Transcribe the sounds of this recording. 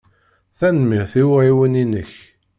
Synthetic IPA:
θænmiʁθiwiwəninəç

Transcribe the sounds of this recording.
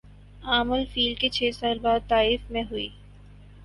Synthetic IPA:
aːməlfiːlɖket͡ʃʰɛːsaːlbaːd̪̚t̪aːifmẽɦʊḭː

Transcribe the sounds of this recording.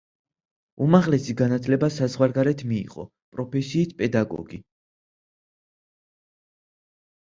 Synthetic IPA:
umaʁlɛsiɡanat̪ʰlɛbasazʁwaɾɡaɾɛt̪ʰmḭːʁʼɔ̰ | pʼɾɔpʰɛsiːsʰpʼɛd̪aɡɔ̰ɡi

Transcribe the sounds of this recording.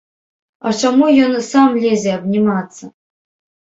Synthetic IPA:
at͡ɕamujonsamlʲezʲeabnʲimɑt̪t͡sːə

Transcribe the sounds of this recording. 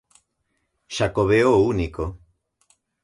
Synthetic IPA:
ʃakoβeouniko

